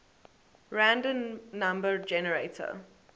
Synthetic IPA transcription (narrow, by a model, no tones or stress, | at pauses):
ɹãndə̃nːãmbəd͡ʒɛnəɹetʰə̰